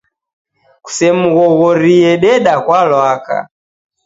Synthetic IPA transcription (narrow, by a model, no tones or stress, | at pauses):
ku̥sɛmuɣɔɣɔɾiɛɗɛɗakwalwaka̰